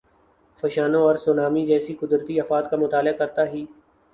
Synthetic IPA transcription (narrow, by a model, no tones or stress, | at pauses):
fɐʃaːnõɔːɾsʊːnaːmid͡ʒɛːsikʊd̪ɾt̪iɐfaːd̪kamʊt̪aːlɪakɐɾt̪aɦiː